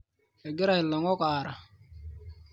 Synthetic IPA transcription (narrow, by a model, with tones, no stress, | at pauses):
a˨ɡi˦ɾa˨hi˨lːa˨ŋo˦kaː˨ɾa˨